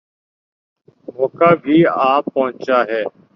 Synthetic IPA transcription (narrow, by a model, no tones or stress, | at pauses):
moːkaːbʱiːaːpːəɦʊ̃nt͡ʃaːɦɛː